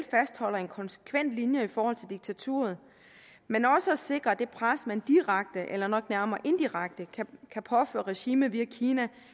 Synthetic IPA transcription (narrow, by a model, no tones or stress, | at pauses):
lfæsd̥hɒ̽l̰ɐe̝nkʰɒ̽nsə̥kʰʋen̰d̥linjɐifɒːhɒ̽l̰t͡sʰe̝ld̥iɡ̥̚t͡sʰæt͡sʰu̝̰ːɐð̩ˠ | menɒ̽səæse̝ɡ̥ʁɐæd̥e̝pʰʁasmænd̥iʁäɡ̥̚d̥əʔelɐnɒ̽ɡ̥næɐmɐːʔe̝nd̥iʁaɡ̥̚d̥əkʰæpʰɒ̽fø̰ːɐʁɛɕiːməðʋiækʰiːnæ